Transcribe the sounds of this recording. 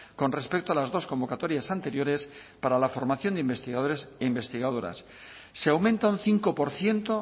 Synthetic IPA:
ko̞nre̞spe̞k̚t̪oalazðo̞sko̞mbo̞kat̪o̞ɾjasant̪e̞ɾjo̞ɾe̞spaɾalafo̞ɾmaθjo̞nd̪eimbe̞st̪iɣaðoɾeseimbe̞st̪iɣaðo̞ɾa̰sː | eawmẽ̞nt̪aunθiŋko̞po̞ɾθje̞nt̪o̞

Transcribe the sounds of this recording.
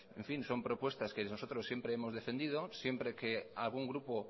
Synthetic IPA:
ẽɱfinso̞mpɾo̞pwe̞st̪askenosot̪ɾosːje̞mpɾeemo̞zðe̞fe̞nd̪ið̞osje̞mpɾekealɣ̞uŋɡɾupo

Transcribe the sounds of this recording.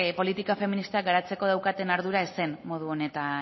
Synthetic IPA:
po̞lit̪ikafe̞minist̪eaɡaɾat͡se̞ko̞ðawkat̪e̞naɾðuɾaese̞nmo̞ð̞uo̞ne̞t̪a

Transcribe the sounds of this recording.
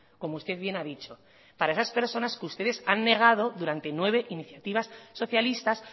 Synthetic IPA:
ko̞moust̪e̞ðβje̞naðit͡ʃo̞ | paɾae̞saspe̞ɾso̞naskust̪e̞ðe̞sanːe̞ɣ̞að̞o̞ðuɾant̪e̞nwe̞β̞e̞ʔiniθjat̪iβ̞asːo̞θjalist̪as

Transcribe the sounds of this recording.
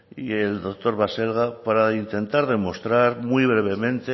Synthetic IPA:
ie̞ld̪ok̚t̪o̞ɾβase̞lɣ̞apaɾaint̪e̞nt̪aɾðe̞mo̞st̪ɾaɾmwiβɾe̞β̞e̞mẽ̞nt̪e

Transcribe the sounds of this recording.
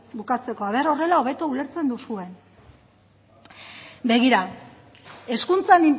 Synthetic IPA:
bukat͡se̞ko̞aβeɾo̞re̞lao̞β̞e̞t̪oule̞ɾt͡se̞nd̪usue̞n | be̞ɣ̞iɾa | e̞skunt͡sanin

